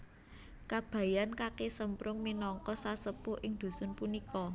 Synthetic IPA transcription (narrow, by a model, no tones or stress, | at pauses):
kab̥ä̤jankakesəmpɾʊŋminɔŋkɔsasəpʊʔɪŋd̪̥ṳsʊnpunikɔ